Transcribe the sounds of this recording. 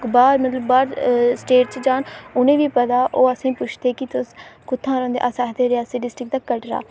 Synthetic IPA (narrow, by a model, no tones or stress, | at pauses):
kbaːɾmət̪ləbːaːɾsʈeːʈt͡ʃd͡ʒaːɳʊnẽːʋiːpət̪aːʔoːəsĩːpʊt͡ʃʰd̪eːkɪt̪ʊskʊt̪ʰːãːɾɔ̃ːnd̪ḛːʔasɛːɦd̪eːɾaːseɖɪsʈɾɪk̚d̪aːkəʈɾa̰ː